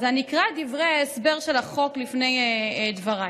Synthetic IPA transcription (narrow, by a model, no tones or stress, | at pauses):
zanikʁad̪ivʁeesbeʁʃelaχoklifnejed̪vaʁa